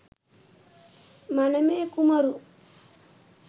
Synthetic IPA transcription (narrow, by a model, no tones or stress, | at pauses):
mɐnɐmeːkumɐɾu